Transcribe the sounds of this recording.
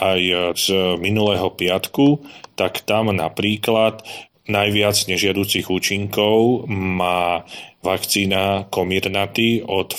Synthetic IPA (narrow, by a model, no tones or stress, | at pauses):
ʔajz̥minulɛːɦɔpɪat̪kut̪akt̪amna̰pɾiːklat̪ | najʋɪad͡zɲɛʒɪad̪uːt͡siɣuːt͡ʃiŋkɔʊmaːʋakt͡siːnakɔmiɾnat̪iɔt̪